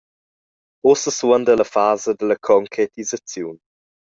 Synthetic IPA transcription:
osəswənd̪ələfaːzəd̪ələkʰɔŋkʰɾet̪izət͡sjuːn

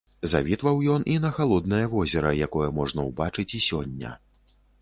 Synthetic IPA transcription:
za̰vʲit̪vɐwjɔnʔinɐxalˠɔd̪nɐjɐvɔzʲɛɾɐjakɔjɐmɔʐnɐwbat͡ʂɨt͡sʲisʲɔnʲːɐ̰

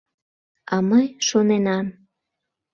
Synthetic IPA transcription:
ɑməjʃonenɑm

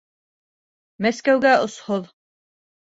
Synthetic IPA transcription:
mæskæwɡæŏshoðˠ

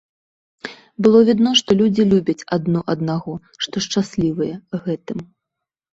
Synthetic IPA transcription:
bɨlˠɔvʲid̪nɔʂt̪ɔlʲud͡zʲilʲubʲɐt͡sʲad̪nɔʔɐd̪naɣɔ | ʂt̪ɔʂt͡ʂasʲlʲivɐjɛɣɛt̪ɨm

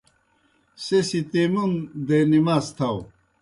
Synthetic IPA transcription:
sesit̪emund̪enimast̪ʰɐw

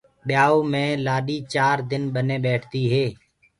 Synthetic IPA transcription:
ɓɪjaːoːmẽːlaːɗiːt͡ʃaːɾd̪ɪnɓənẽːɓeːʈʰt̪iːɦeː

